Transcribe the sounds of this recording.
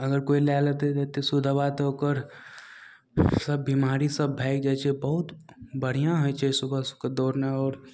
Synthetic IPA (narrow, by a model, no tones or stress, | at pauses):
əɡəɾkoːilɛːlət̪et̪et̪esʊd̪ʱabat̪okəɾ | səbːimaːɾisəbːʱɛɪk̚d͡ʒat͡ʃʰebəɦʊt̪bəɽ̤ijãɦojt͡ʃʰesʊbʱəsked̪ɔːɾneɔːɾ